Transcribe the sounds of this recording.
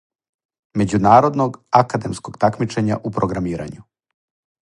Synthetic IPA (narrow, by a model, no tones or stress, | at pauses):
me̞d͡ʑunaːɾo̞d̪noɡakad̪e̞msko̞ɡt̪akmit͡ʃeɲa̰ʔupɾoɡɾamiːɾa̰ɲu